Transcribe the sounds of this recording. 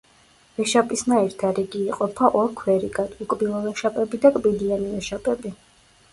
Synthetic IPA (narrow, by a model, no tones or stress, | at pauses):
vɛʃapʼisnaiɾt̪ʰaɾiɡiːqʼɔpʰaʔɔɾkʰwɛɾiɡad̪ukʼbilˠɔvɛʃapʼɛbid̪akʼbid̪ianiɛʃapʼɛbi